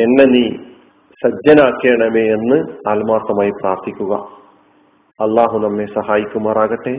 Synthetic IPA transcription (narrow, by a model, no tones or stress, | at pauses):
e̞nːe̞niː | sɐd͡ʑːɐnaːkːeːɳɐmeenːɨaːlmaːrt̪ɐmaːjipraːrt̪ʰikʲːuɣɐ̰ | ɐlːaːɦunɐmːe̞sɐhaːjikʲːumaːraːɣɐʈːe